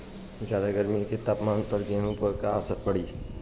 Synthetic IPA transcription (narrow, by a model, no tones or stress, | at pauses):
d͡ʒaːlaɡəɾmiket̪aːpmaːnpəɾd͡ʒẽːɦũpəɾkasəɾpəɽiː